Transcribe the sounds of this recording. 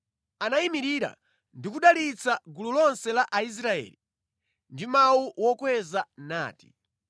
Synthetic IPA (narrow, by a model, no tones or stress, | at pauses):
anaimiɾiɾa̰ | ndikuɗalit͡sʰaɡululɔnsɛlaʔais̬ɾaɛ̰ːli | ndimawuwɔkwɛzana̰ːti̥